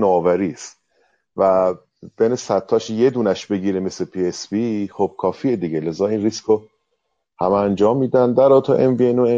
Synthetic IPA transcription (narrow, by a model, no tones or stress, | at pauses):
noːvæɾiːst̪ | væ | b̥enesæt̪ʰːɒːʃje̞d̪uːnæʃbe̞ɡiːɾeme̞slepʰiesbiχob̥̚kʰɒːfiːed̪iɡʲelezɒːiːnrisko | hæmæænd͡ʒɒːmːiːd̪ænd̪æɾɒːt̪ʰoʔenvienoe